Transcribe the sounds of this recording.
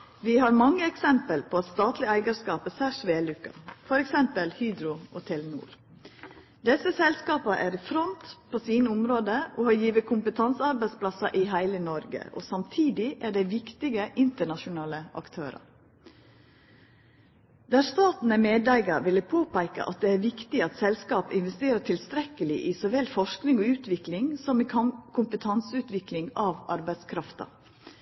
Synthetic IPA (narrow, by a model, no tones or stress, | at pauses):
ʋihɑɾmɑŋːəɛksɛmpəlpʰoɑt̪st̪ɑːt̪lɪæɪɡəskɑːpəsæʂʋeːlʉkːɑ̰fɔɾɛksɛmpəlhyːd̪ɾʊɔt̪ʰɛlnṵːɾ | d̪ɛsəsɛlskɑːpɑʔæɾifɾɔnt̪pʰoːsiːnəʊmɾoːd̪əʔoːhɑɾjiːʋəkʰʊmpət̪ʰɑnsəɑɾbæɪspʰlɑsɑʔiɦæɪlənɔɾɡə̰ʔo̰sɑmt̪ʰiːd̪ɪʔæɖæɪʋɪkt̪ɪɡəʔɪnt̪əɳɑʂʊnɑːləʔɑ̰kt̪ʰøːɾɑ̰ | d̪æːɾst̪ɑːt̪n̩æmeːd̪æɪɡɑʋɪlːəpʰoːpæɪkə̰ʔɑ̰t̪̚d̪ɛæɾʋɪkt̪ɪɑt̪sɛlskɑːpɪnʋɛst̪eːɾəʈʰɪlst̪ɾɛkəlɪʔɪsɔʋɛlfɔʂknɪŋɔʉːt̪ʋɪklɪŋsɔmɪkʰʊmpət̪ʰɑnsʉːt̪ʋɪklɪŋɑʋɑ̰ɾbæɪskʰɾɑft̪ɑ̰